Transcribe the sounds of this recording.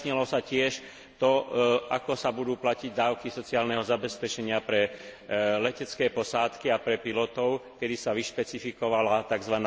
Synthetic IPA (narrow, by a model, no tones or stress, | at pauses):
ɲɛlɔsacɪɛʃ | t̪ɔakɔsabud̪uːplaciɟd̪aːʊkisɔt͡sɪaːlnɛɦɔzabɛspɛt͡ʃɛɲɪapɾɛ | lɛcɛt͡skɛːpɔsaːt̪kiapɾɛpilɔt̪ɔʊkɛd̪isaʋiʃpɛt͡sifikɔʋalat̪aɡzʋan